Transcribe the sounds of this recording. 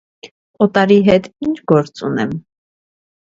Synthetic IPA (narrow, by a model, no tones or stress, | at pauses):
ɔt̪ɑɾiɦɛt̪int͡ʃʰɡɔɾt͡sunɛm